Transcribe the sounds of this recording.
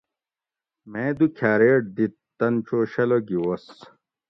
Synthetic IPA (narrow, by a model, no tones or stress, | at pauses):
mẽd̪ukʰaːɾeːʈ̚d̪it̪ːɐnt͡ɕoːɕɐloɡiwos